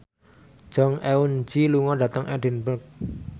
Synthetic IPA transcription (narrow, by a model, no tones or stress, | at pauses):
d͡ʒ̥ɔ̤ŋɛund͡ʒiluŋɔɖä̤t̪əŋʔɛɖi̤nbərk̚